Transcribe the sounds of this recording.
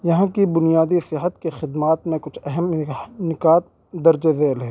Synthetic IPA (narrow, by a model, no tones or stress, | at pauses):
jɐɦãkibʊnijaːd̪isɪɦət̪kexɪd̪maːt̪mẽkʊt͡ʃʰɛɦɛmnɪkaːt̪̚ | d̪ɐɾd͡ʒed̪eːlɦɛː